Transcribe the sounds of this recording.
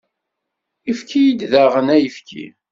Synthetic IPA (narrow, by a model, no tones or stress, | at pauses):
ifkʰijid̪ðæʁənæjəfkʰḭ